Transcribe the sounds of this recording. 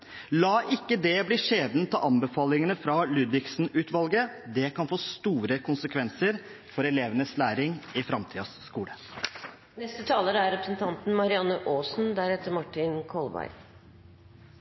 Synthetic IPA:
lɑːʔɪkːəd̪ɛbliːʂeːd̪nt̪ʰɑʔɑmbəfɑːlɪŋənəfɾɑlʉːd̪ʋɪksn̩ʉːt̪ʋɑlɡəd̪ɛkʰɑnfoːst̪uːɾəkʰʊnsəkʰʋɛnsəɾ | fɔɾɛleːʋənəslæːɾɪŋɪfɾɑmt̪ʰiːɑsːkuːlə | nɛst̪ət̪ʰɑːləɾæɾɾɛpɾəsn̩t̪ʰɑnt̪n̩mɑɾɪɑnːəʔoːsnd̪æɾɛt̪ːəɾmɑʈːɪnkʰɔlbæ̰ɪ

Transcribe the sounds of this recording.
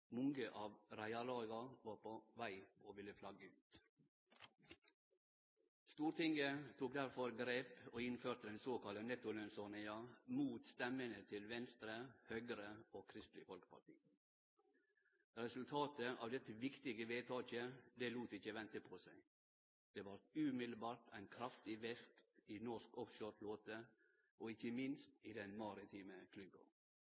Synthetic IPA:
mɔŋɡəʔɑːʋɾæɪɑlɑːɡɑʋɑːpʰoʋæɪʔoːʋɪlːəflɑɡəʉːt̪ | st̪uːɾt̪ɪŋɡət̪ʰuːk̚d̪æɾfɔɾɡɾeːpoːɪnføːt̪əd̪ɛnsoːkɑlənɛt̪ʊlɛnsɔnɪɑmuːt̪st̪ɛmənət̪ʰɪlʋɛnst̪ɾəhœɡɾəoːkʰɾɪst̪lɪfɔlkəpʰɑ̰ʈḭː | ɾɛsʉlt̪ʰɑːt̪əʔɑ̰ːʋd̪ɛt̪ːəʋɪkt̪ɪɡəʋeːt̪ʰɑːçəd̪ɛluːt̪əɪçəʋɛnt̪əpʰɔsæɪ | d̪̥ɛːʋɑɾt̪ʉmɪd̪l̩bɑːʈʰæɪnkʰɾɑft̪ɪʋɛst̪inɔʂkɔfʃøːʈʰloːt̪ə | ʔɔɪçəmɪnst̪iːd̪ɛnmɑɾɪt̪ʰiːməkʰlʉbə̰

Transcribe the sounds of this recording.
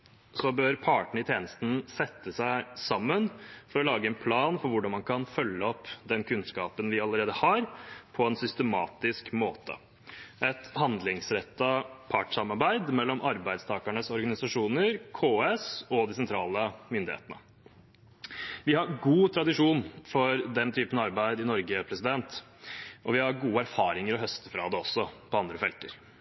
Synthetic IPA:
sɔbøːɾpʰɑʈɳ̩ɪt̪ʰjeːnəst̪n̩sɛt̪ːəsæɪsɑmːənfɔɾɔlɑːɡəɛnpʰlɑːnfɔɾʋʊɖɑnmɑnkʰɑnfœlːəɔpːd̪ɛnkʰʉnskɑːpənʋɪɑləɾeːd̪əhɑɾpʰɔɛnsʏst̪əmɑ̰ːt̪ɪskmoːt̪ʰə̰ | ʔɛt̪hɑnd̪lɪŋsɾɛt̪ːəpʰɑʈsɑmɑɾbæɪd̪mɛlːɔmʔɑɾbæɪd̪st̪ʰɑːkæɳəsɔɾɡɑnɪsɑʂuːnəɾkʰoːɛsɔd̪ɪsɛnt̪ʰɾɑːləmʏnd̪ɪhḛːt̪ənə̰ | ʋɪhɑɾɡuːt̪ʰɾɑd̪ɪʂuːnfɔɾd̪ɛnt̪ʰyːpənɑɾbæɪd̪ɪnɔɾɡəpʰɾɛsɪd̪ɛnt̪ | ʔɔʋɪhɑɾɡuːəæɾfɑːɾɪŋəɾɔɦœst̪əfɾɑːd̪ɛɔsːɔpʰɔɑnd̪ɾəfɛlt̪əɾ

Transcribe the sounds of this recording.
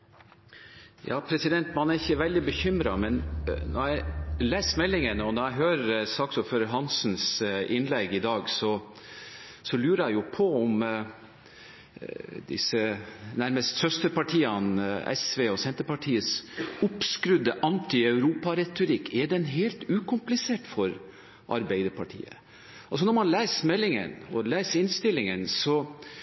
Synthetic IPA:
jɑ̰ːpʰɾɛsɪd̪ɛnt̪mɑnæɾɪçəʋɛld̪ɪbəçʏmɾɑmɛnnɔ̰ɾæɪleːsmɛlːɪŋənəɔnɔɾæɪɦøːɾəsɑːksɔføːɾəɾɦɑnsn̩sɪnlɛɡɪd̪ɑːɡsɔ | sɔlʉːɾəæɪjʊpʰɔɔm | d̪ɪ̰sənæɾməst̪sœst̪əɾpɑʈʰiːɑnɛ̰sʋeːɔsɛnt̪əɾpɑʈʰiːəsʊpskɾʉd̪əʔɑnt̪ɪɑʉɾuːpɑɾɛt̪ʊɾɪkːɛɖɛnɦeːlt̪ʉːkʰʊmplɪseːʈfɔɾ | ʔɑ̰ɾbæɪd̪əɾpʰɑʈʰḭːə̰ | ɑls̬ɔnɔɾmɑnlæːsmɛlːɪŋə̰nɔlæːsɪnst̪ɪlːɪŋənsɔ

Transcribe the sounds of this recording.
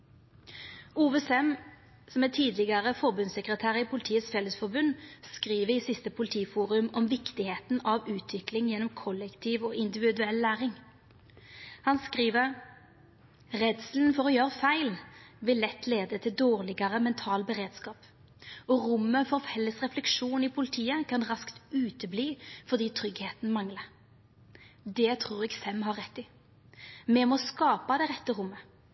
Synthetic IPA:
uːʋɛsɛm | sɔmɛt̪ʰiːd̪lɪɡəʁəfɔʁbʉnsɛkʁət̪ʰæːʁɪpʰʊlɪt̪ʰiːət̪sfɛləsfɔʁbʉnskʁiːʋəiːsɪst̪əpʰʊlɪt̪ʰiːfuːʁʉmɔmʋɪkt̪ɪheːt̪n̩ɑʋʉːt̪ʰʋɪklɪŋjɛnːɔmkʰɔlɛkt̪ʰiːʋoːɪnd̪ɪʋɪd̪ʉɛlːæːʁɪŋ | hɑnskʁiːʋə | ʁɛd̪sln̩fɔʁɔːjøːʁəfæɪlʋɪlːɛt̪ːleːd̪ət̪ʰɪld̪oːʁlɪɡɑʁəmɛnt̪ʰɑːlbɛʁeːd̪skɑːp | ɔʁʊmːəfɔʁfɛlːəsʁɛflɛkʃuːnɪpʰʊlɪt̪ʰiːəkʰɑnʁɑskt̪ʉːt̪əbliːfɔʁd̪iːt̪ʰʁʏɡheːt̪n̩mɑŋlə | d̪ɛt̪ʰʁuːʁɛɡfɛmɦɑʁɛt̪ːɪ | mɛmɔskɑːpɑd̪ɛɪʁɛt̪ːəʁʊmːə

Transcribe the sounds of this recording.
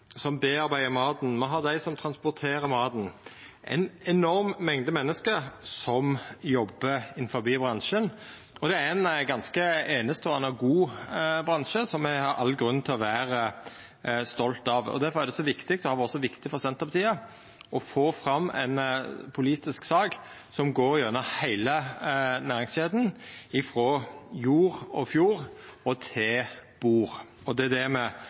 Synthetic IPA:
sɔmbeːɑɾbæɪəmɑːd̪n̩mɔɦɑd̪æɪsɔmt̪ʰɾɑnspɔʁt̪ʰeːɾəmɑːd̪n̩ʔæ̰ɪnɛnɔɾmːɛŋd̪əmɛnːəskəsɔmjɔbːəɪnfɔɾbiːbɾɑnʃən | ɔd̪ɛæɾɛnɡɑnskəeːnəst̪əɔɛnɑɡuːbɾɑnʃəsɔmːɛhɑɾʔɑ̰lːɡɾʉn̩ːt̪ʰɪlɔʋæːɾə | st̪ɔlt̪ɑʋɔ̰d̪æɾfɔɾæɾd̪ɛsɔʋɪkt̪ɪkt̪ɔhɑːʋɔsɔʋɪkt̪ɪfɔɾsɛnt̪əpɑt̪ʰiːə | ɔfoːfɾɑmːɛ̰ɪnpʰʊliːt̪ɪsksɑːɡ | sɔmɡoːɾɪjønəhæɪlənæːɾɪŋsʃeːd̪n̩ɪfɾɔjuːɾɔfjuːɾɔt̪ʰɪb̥uːɾ | ɔd̪ɛæd̪ɛmɛ

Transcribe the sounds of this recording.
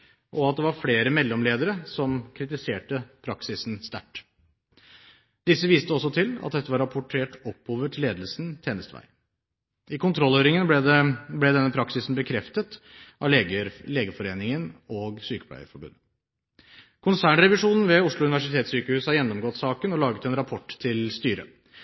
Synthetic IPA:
ʔɔɑt̪̚d̪ɛʋɑɾfleːɾəmɛlːɔmleːd̪əɾəsɔmkʰɾɪt̪ɪseːʈəpʰɾɑksɪsnst̪æ̰ʈː | d̪ɪsːəʋiːst̪əɔs̬ːɔt̪ʰɪlɑ̰t̪̚d̪ɛt̪ːəʋɑɾɑpʰʊʈʰeːʈɔpʰːoːʋəʈʰɪlːeːd̪əlsn̩t̪ʰeːnəst̪ʋæ̰ɪ | ɪkʊnt̪ʰɾɔlːøːɾɪŋənb̪ɛd̪ɛnːəpʰɾɑksɪsn̩bəkʰɾɛft̪ət̪ | ʔɑʋəɾleːɡəfɔɾeːnɪŋənɔːɡsyːkə̥plœ̰ʏə̰fɔɾbʉ̰nːə | kʰʊnsæːɳɾɛʋɪʂuːnn̩ʋɛʊʂɭʊʉnɪʋæʂɪt̪ʰeːt̪syːkəhʉːshɑɾjɛnːɔmɡɔt̪ːsɑːkənɔlɑːɡət̪ɛnɾɑpʰɔʈ̪ːʰɪlst̪yːɾə̰

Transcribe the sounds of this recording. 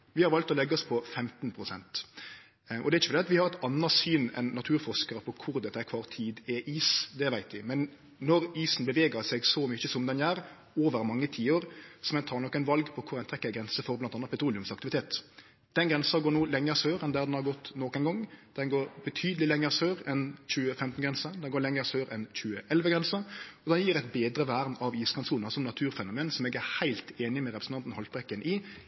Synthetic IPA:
ʋɪhɑɾʋɑlt̪ɔlɛɡːəɔspʰɔfɛmt̪npʰɾʊsɛ̰nt̪ | ʔɔ̰d̪ɛɾɪçəflɛɑt̪ʋɪhɑɾɛt̪ɑnːɑsyːnɛ̰nːɑt̪ʰʉːɾfɔʂkəɾəpʰɔkʰʊɾd̪ɛt̪ːəæɾkʰʋɑːɾt̪ʰiːd̪ɛʔiːsd̪ɛʋæɪt̪ʋɪmɛnː | ɔɾiːsn̩bəʋeːɡəsɛɡsɔmʏçəsɔmd̪ɛnjæːɾ | oːʋəɾmɑŋːət̪ʰiːoːɾsɔmɛnt̪ʰɑːɾnɔkːæɪnʋɑlɡpʰɔkʰʊɾæɪnt̪ʰɛkːəɡɾɛnsəfɔɾblɑnɑnɑpʰɛt̪ʰɾuːlɪʉmsɑkt̪ɪʋɪt̪ʰeːt̪ | d̪̥ɛnɡɾɛnsɑɡoːnuːlɛŋːəsøːɾɛnd̪æːɾd̪ɛnhɑɾɡɔt̪ːnoːknɡɔŋːd̪̥ɛnɡoːɾbət̪ʰyːd̪əlɪlɛŋːəɾsøːʁɛnçʉːəfɛmt̪n̩ɡɾɛnsəd̪ɛnɡoːɾlɛŋːəɾsøːɾɛnçʉːəʔɛlʋəɡɾɛnsəɔd̪ɛnjiːɾæɪt̪beːd̪ɾəʋæːʁnɑʋiːskʰɑnsuːnɑsɔmnɑt̪ʰʉːɾfɛnʊmeːnsɔmɛːɡæhæɪlt̪eːnɪmɛɾɛpɾəsn̩t̪ɑnt̪n̩hɔlt̪bɾɛkːənʔɪ

